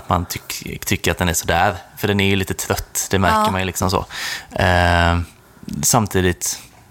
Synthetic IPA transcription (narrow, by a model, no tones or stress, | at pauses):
t̪ma̰nt̪ʰʏt̪ʰʏkːəɾat̪̚d̪ɛnæʂɔd̪æːɾfœɖɛnæɾjɵliːt̪ət̪ʰɾœt̪ːd̪̥ɛmæɾkəmajlɪksɔmsɔ̰ | samt̪ʰiːd̪ɪt̪